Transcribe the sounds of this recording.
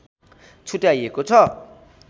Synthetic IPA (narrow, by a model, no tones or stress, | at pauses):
t͡sʰuʈajekot͡sʰʌ